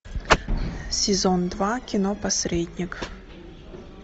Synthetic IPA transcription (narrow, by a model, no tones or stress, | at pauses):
sʲɪzond̪vakʲɪnopɐsʲɾʲedʲnʲɪk